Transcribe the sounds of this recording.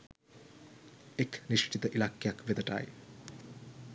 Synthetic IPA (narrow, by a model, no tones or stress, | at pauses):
ekniʂʈʰit̪əʔilakːejakʋed̪əʈa̰ːj